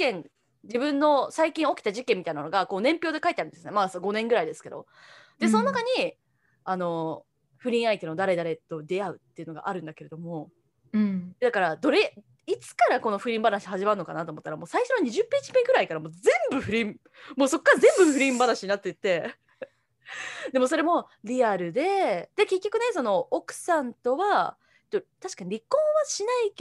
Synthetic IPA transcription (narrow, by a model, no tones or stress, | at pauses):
kẽ̞n | d͡ʑibɯ̟̃nːo̞saikʲĩɰ̃o̞kʲi̥t̪aʑikẽ̞mʲːit̪ainanoɡako̞ːnẽ̞mpʲo̞ːd̪e̞kait̪eaɾɯ̟nd̪esɨnemasoɡo̞nẽ̞ŋɡɯ̟ɾaid̪e̞sɨ̥ke̞d̪o̞̰ | d̪e̞so̞nonakaɲ̟i | ano̞ | ɸɯ̟ɾʲĩɰ̃ait̪e̞nod̪aɾe̞d̪aɾe̞t̪o̞d̪e̞aɯ̟t̪ːeiɯ̟no̞ɡa̰ʔaɾɯ̟̃nd̪ake̞ɾe̞d̪o̞mo̞ | d̪akaɾad̪o̞ɾe̞ | it͡sɨ̥kaɾako̞no̞ɸɯ̟ɾʲĩːmbaɾãɕɦaʑimaɯno̞ka̰nat̪oːmo̞t̪ːaɾamo̞ːsaiɕo̞noɲ̟iʑɨpːet͡ɕi̥meɡɯɾaikaɾamo̞ːzẽ̞mbɯ̟ɸɯ̟ɾʲĩm | moːso̞kːaɾazẽ̞mbɯɸɯ̟ɾʲĩmbanaɕiɲinat̪ːet̪ːe̞ | d̪e̞mo̞so̞ɾe̞mo̞ | ɾʲiaɾɯ̟d̪e̞d̪̥eke̞kʲːo̞kɯ̟ne̞so̞no̞okɯ̟̥sãnt̪o̞βa | et̪ːot̪aɕi̥kaɲ̟iɾʲikːõ̞ɰ̃βaɕinai